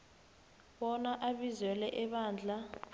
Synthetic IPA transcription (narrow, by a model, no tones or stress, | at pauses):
ɓɔnaʔaɓizwɛlɛʔɛɓaːnd͡ɮʱa